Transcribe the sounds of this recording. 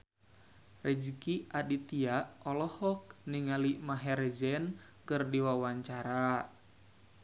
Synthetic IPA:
rɛd͡ʒikiʔadit̪iaɔlɔhɔk̚niŋalimaɦɛɾɛzɛn | kɨrdiwawaɲt͡ʃaɾa

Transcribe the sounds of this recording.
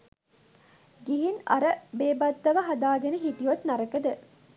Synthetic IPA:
ɡiɦinɐ̰ɾəbeːbɐt̪ːɐʋɐɦad̪aːɡenəɦiʈijot̪nɐɾəkəd̪ə

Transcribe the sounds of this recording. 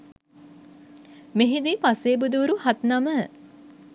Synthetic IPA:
meɦid̪ipaseːbud̪uuɾuhat̪namə

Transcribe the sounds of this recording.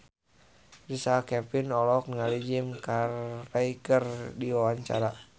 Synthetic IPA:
risakɛpinɔlɔk̚nŋalid͡ʒimkarraikərdiwawaɲt͡ʃa̰ɾa

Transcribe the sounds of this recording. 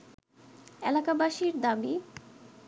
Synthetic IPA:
elakabaʃiɾd̪abi

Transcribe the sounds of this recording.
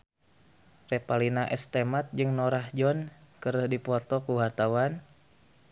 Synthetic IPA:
rɛpalinaʔɛst̪ɛmat̪̚d͡ʒɨŋnɔɾahd͡ʒɔnkəɾəhdipɔt̪ɔkuwart̪awan

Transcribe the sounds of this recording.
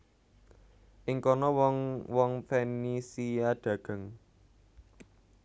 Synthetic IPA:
ʔɪŋkɔnɔwɔŋwɔŋfenisijaɖ̪̥ä̤ɡ̥a̤ŋ

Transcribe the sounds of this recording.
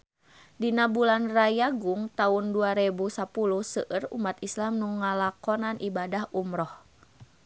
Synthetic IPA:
dinabulanrajaɡuŋt̪aunduaɾɛbusapuluhsəʔərṵmat̪islamnuŋalakɔnanʔibadahʔumɾɔh

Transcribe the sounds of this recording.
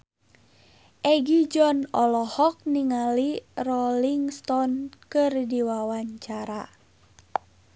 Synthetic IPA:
ʔɛɡid͡ʒɔnɔlɔhɔk̚niŋalirɔliŋst̪ɔnkɨrdiwawaɲt͡ʃaɾa

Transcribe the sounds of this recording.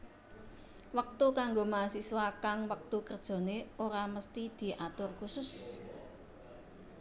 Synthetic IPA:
wək̚t̪ukaŋɡomasiswakaŋwək̚t̪ukərd̥ʒ̥o̤neoɾaməst̪id̪̥i̤ʔat̪ʊrkusʊs

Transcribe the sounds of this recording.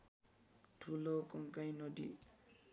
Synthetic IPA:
tʰulokɔŋkajnʌd̪ḭ

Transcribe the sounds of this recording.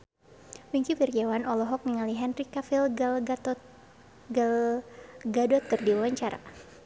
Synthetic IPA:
wiɲkifird͡ʒawanɔlɔɦɔk̚niŋaliɦɛnrikafil | ɡl | ɡadɔt̪̚kərdiwawaɲt͡ʃaɾa̰

